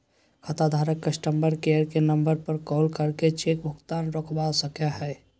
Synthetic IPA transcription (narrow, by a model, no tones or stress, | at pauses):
kʰət̪ad̪ʱaːɾəkːəsʈəmbəɾkejəɾkenə̃mbəɾpəɾkɔːlkəɾket͡ʃek̚bʱʊɡt̪aːnɾɔːkʰbasəkaɦɛː